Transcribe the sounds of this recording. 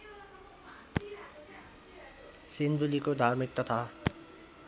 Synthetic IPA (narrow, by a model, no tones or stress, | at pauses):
sind̪ulikod̪ʱaɾmik̚t̪ɔt̪ʰa